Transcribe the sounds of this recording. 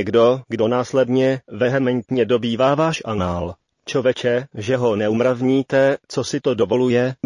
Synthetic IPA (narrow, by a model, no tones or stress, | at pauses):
ɛɡdo̞ɡdo̞naːslɛdɲɛvɛɦɛmɛnt̪ɲɛdo̞biːvaːvaːʃʔanaːl | t͡ʃovɛt͡ʃɛʒɛɦo̞nɛumɾavɲiːt̪ɛt͡sosɪt̪o̞do̞vo̞lujɛ